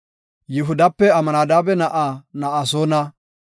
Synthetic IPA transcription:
jɪɦʊd̪ɐpːɛɐmɐnaːd̪aːbɛnɐʔaːnɐʔasoːnɐ

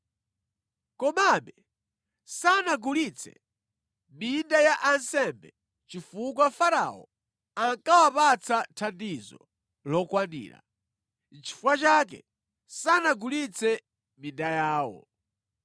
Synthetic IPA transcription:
kɔmaɓɛ | sanaɡulit͡sʰɛ̰ | mindajaʔansɛmbɛ | t͡ʃifuk̬wafaɾa̰wɔ̰ | aŋkawapat͡sʰatʰandizɔ̰ | lɔkwandḭːɾa̰ | n̩t͡ʃʰi̥fuwat͡ʃak̬ɛ̰ | sanaɡulit͡sʰɛ | mindajaːwɔ̰

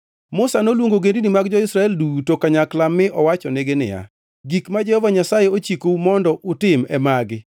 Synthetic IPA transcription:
mʊsanolwoŋɡoɡendinimaɡd͡ʒɔɪsɾaɛldutokaɲaklamːɪʔɔwat͡ʃɔneɡenɪ̰ja̰ | ɡikmad͡ʒɛhɔvaɲasajeot͡ʃikoumɔndɔʔʊtɪmɛ̰maɡɪ

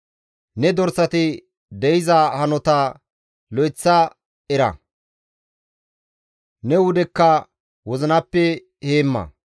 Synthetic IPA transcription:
nɛd̪ɔɾsɐt̪ɪ | d̪ɛjɪzɐhɐnɔt̪ɐ | lɔjt͡sːɐ | ɛɾɐ̰ | nɛwʊd̪ɛkːɐ | wɔzɪnɐpːɛ | heːmːɐ̰

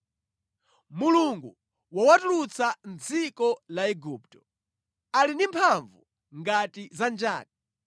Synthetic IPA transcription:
muluŋɡu | wawatulut͡sand͡zikɔlaɛɡuptɔ̥ | alindimpʰaɱvu | ŋɡatizand͡ʒaːti

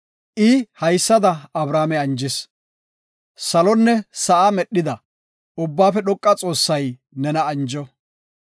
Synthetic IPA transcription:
ʔɪhɐjsːɐd̪ɐɐbɾaːmɛɐnd͡ʒɪs | sɐlɔnːɛsɐʔamɛɗːɪd̪ɐ | ʊbːaːfɛɗɔkʼːɐt͡sʼo̞ːsːɐj | nɛnɐɐnd͡ʒɔ

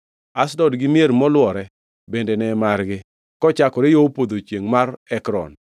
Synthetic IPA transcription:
asdɔdɡɪmjeɾmɔlwɔɾɛ | bendenɛmaɾɡɪ | kɔt͡ʃakɔɾejopod̪ot͡ʃjeŋmaɾɛkɾɔ̰n

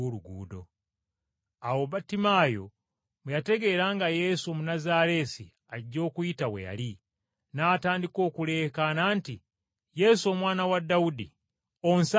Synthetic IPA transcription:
oɾuɡuːdo̞ | awoβatimaːjo̞̰ | mujate̞ɡe̞ɾaːŋɡajesuomunazaɾe̞sḭ | aiɟo̞ːkuitawḛja̰li | naːtaːndiko̞ːkule̞kananti | je̞suo̞mwaːnawadaudḭ | o̞ns

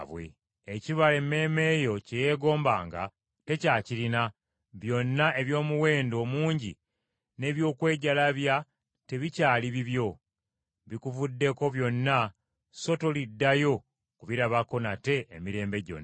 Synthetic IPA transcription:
βwe̞̰ː | ciβale̞mːe̞ːme̞jo̞ceje̞ːɡo̞ːmbaːŋɡa̰ | te̞caːcilina | βjo̞nːaʔe̞βjo̞ːmuwe̞ːndo̞ːmuːɲɟḭ | ne̞ːβjo̞ːkwe̞ːɟalaβja | te̞βicaːliβiβjo̞ | βikuvudːe̞ko̞βjo̞nːa | so̞to̞lidːajo̞ | kuβiɾaβako̞nate̞ʔːmiɾe̞ːmbe̞ɟo̞̰nː

